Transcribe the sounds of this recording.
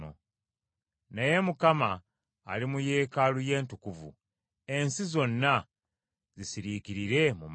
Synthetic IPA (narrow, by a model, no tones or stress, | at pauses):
o̰ | neje̞mukama̰ː | limuje̞ːkaluje̞ːntukuvṵ | e̞nsizo̞nːa | zisiɾiːkiɾiɾe̞mum